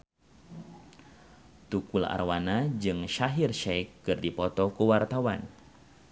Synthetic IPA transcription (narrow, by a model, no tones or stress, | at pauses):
t̪ukula̰rwanad͡ʒɨŋʃaɦirʃɛkːɨrdipɔt̪ɔkuwart̪awan